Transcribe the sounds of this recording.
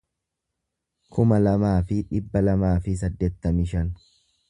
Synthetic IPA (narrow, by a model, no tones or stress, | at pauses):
kʰʊmɐlɐmaːfɪᶑɪbːɐlɐmaːfɪs̬ɐd̪ːeːt̪ːɐmɪʃɐn